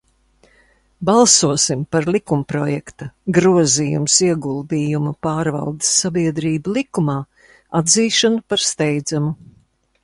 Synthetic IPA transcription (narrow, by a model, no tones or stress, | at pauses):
balˠsuɔsimpaɾlˠikumpɾɔjɛkt̪aɡɾuɔziːjṵmsiɛɡulˠd̪iːjumupaːɾva̰lˠd̪ɪsːabiɛd̪ɾiːbulˠikumaː | ad̪ziːʃanupaɾst̪ɛjd̪zamu